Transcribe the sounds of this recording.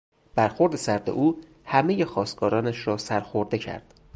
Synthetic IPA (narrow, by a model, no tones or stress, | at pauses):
b̥æɾxo̞ɾd̪e̞sæɾd̪ḛʔuː | hæme̞jexɒːst̪ɡɒːɾɒːnæʃɾɒːsæɾxoɾd̪e̞cʰæ̰ɾd̪̥